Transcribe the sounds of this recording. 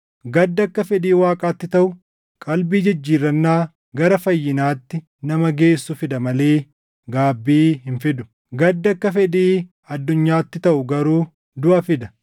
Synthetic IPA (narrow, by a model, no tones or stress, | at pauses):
ɡɐd̪ːɐkːɐfɛd̪iːwaːkʼaːt̪ːɪt̪ɐʔʊ | kʼɐlbiːd͡ʒɪd͡ʒːiːrːɐnːaː | ɡɐɾɐfɐjːɪnaːt̪ːɪ | nɐmɐɡe̞ːsːʊfɪd̪ɐmɐleː | ɡaːbːiːɦɪnfɪd̪ʊ̥ | ɡɐd̪ːɐkːɐfɛd̪iː | ɐd̪ːʊɲːaːt̪ːɪt̪ɐʔʊɡɐɾuː | d̪ʊʔɐfɪd̪ɐ